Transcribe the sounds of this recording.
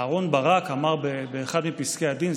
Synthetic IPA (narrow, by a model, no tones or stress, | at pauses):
aʁo̞nbaʁakamaʁbebeːχad̪mipiskead̪in